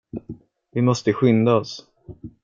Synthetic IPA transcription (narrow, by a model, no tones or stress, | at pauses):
vɪmɔst̪əɧʏnd̪aɔs